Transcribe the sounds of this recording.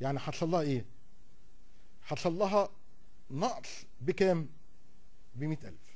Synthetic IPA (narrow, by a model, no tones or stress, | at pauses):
jaʕniħɑt̪ʃɑlˤːɑːhɑʔeː | ħɑt̪ʃɑlˤːɑɦɑ | nɑʔs | bɪkæːm | bɪmiːt̪ʔæ̰lf